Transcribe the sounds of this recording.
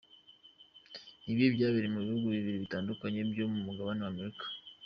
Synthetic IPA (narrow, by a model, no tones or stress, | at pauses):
niβibɟaːβiɾimuβihuɡuβiβiɾiβitaːndukaɲe̞bjomumuɡaβanewame̞ɾikḁ